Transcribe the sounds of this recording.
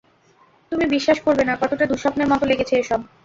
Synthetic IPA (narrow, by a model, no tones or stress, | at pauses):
t̪umibiʃːaʃkoɾbenakɔt̪oʈad̪uʃɔpneɾmɔt̪oleɡet͡ɕʰeeʃɔb̚